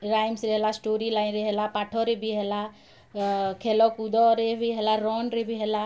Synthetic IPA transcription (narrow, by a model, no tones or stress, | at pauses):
ɾaːjmsɾeɦelasʈoɾilaːɪnɾeɦelapaːʈʰɔɾebʱiɦela | kʰelɔkud̪ɔɾebʱiɦelaɾɔːnɾebʱiɦela